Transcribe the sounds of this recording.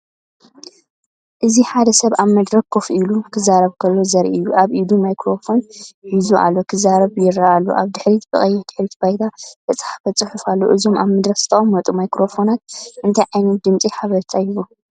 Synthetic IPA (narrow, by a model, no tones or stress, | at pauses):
ʔɨziħad̪ɐsɐβaβmɐd̪ɾɐk̚kʰːofʔilukʰɨzaɾɐβkʰɐlːo̞zɐɾʔiɨjːuʔaβʔid̪umajkɾo̞fo̞nhizuʔa̰lːo̞kʰɨzaɾɐβjɪɾaalːo̰ʔaβd̪ɨħɾit̪bɨ̰χʼɐjːɛd̪̥ɨħɾit̪bajt̪ʰat̪ʰɐt͡sʼħḁfɐt͡sʼɨħufalːo̰ʔɨzo̞ma̰βmɐd̪ɾɐkzɨ̥t̪ʰɐʔʼomːɐt̪ʼumajkɾo̞fo̞nat̪̚ʔɨnt̪ʰɐjʕajnɐt̪d̪ɨmt͡sʼiħaβɐɾt̪ʰʼajβu